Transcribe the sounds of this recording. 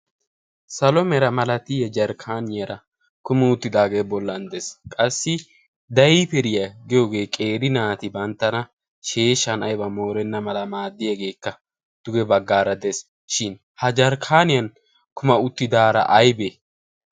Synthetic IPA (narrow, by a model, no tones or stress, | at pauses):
sɐlɔmɛɾɐmɐlɐt̪ɪjɛd͡ʒɐɾkʰaːnɪjɐɾɐ | kʊmɪʊt̪ːɪd̪aːɡe̞ːbɔlːɐnd̪eskʼɐsːɪ | d̪ɐjipɛɾɪjɐɡɪjoːɡe̞ːkʼe̞ːɾɪnaːt̪ɪbɐnt̪ːɐnɐ | ʃeːʃːɐnɐjbɐmo̞ːɾɛnːɐmɐlɐmaːd̪ːɪjɐɡe̞ːkːɐ | d̪̥ʊɡɛbɐɡːaːɾɐd̪es | ʃɪn | hɐd͡ʒɐɾkʰaːnɪjɐn | kʰʊmɐʊt̪ːɪd̪aːɾɐ̰ʔɐjbe